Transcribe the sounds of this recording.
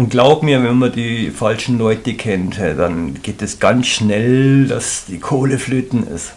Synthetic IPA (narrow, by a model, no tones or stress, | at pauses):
ʔʊnt̚ɡ̥laʊbmiːɐvɛnmadiːfalʃn̩lɔʏtəkʰɛntːd̥anɡ̥eːtɛsɡ̥ansʃnɛldasd̥iːkʰoːləfløːtn̩ɪ̰st